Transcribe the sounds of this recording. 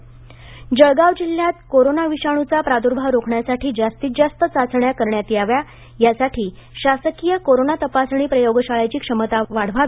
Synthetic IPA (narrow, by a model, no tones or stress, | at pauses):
d͡ʑəɭɡaʋd͡ʑilːjat̪koɾonaʋiɕaɽ̃ut͡sapɾad̪uɾbʱaʋɾokʰɳjasaʈiːd͡zast̪iːt̪̚d͡zast̪ət͡sat͡sɳjakəɾɳjat̪iaʋja | jasaʈʰiːɕasəkijəkoɾonat̪əpasɽ̃iːpɾəjoɡɕaɭajt͡ɕiːkʂəmət̪aʋaɽ̤ʋa